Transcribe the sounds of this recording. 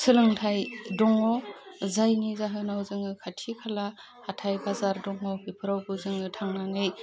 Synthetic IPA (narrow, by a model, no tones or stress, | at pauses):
sɯlɯŋtʰajdɔŋɔzajnizaɦɯnawzɯŋɯkʰatʰikʰala | hatʰajbazaɾdɔŋɔbipʰɯɾawbɯzɯŋɯtʰaŋnanɯj